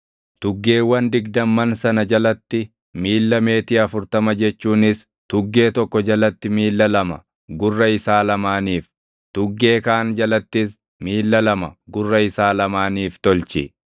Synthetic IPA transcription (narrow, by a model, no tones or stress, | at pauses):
t̪ʊɡːe̞ːwɐnd̪ɪɡd̪ɐmːɐnsɐnɐd͡ʒɐlɐt̪ːɪ | miːlːɐme̞ːt̪ɪːɐfʊɾt̪ɐmɐd͡ʒɛt͡ʃːuːnɪs | t̪ʊɡːe̞ːt̪ɔkːɔd͡ʒɐlɐt̪ːɪmiːlːɐlɐmɐ̰ | ɡʊrːɐɪsaːlɐmaːniːf | t̪ʊɡːe̞ːkaːnd͡ʒɐlɐt̪ːɪs | miːlːɐlɐmɐ̰ɡʊrːɐɪsaːlɐmaːniːft̪ɔlt͡ʃɪ